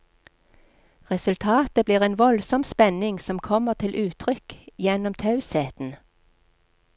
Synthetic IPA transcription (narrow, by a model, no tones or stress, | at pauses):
ʁɛsʉlt̪ʰɑːt̪əbliːʁeːnʋɔlsɔmspɛnɪŋsɔmkʰɔməʁt̪ʰɪlʔʉːt̪ʰʁʏkjɛnɔmt̪ʰɑʉsheːt̪n̩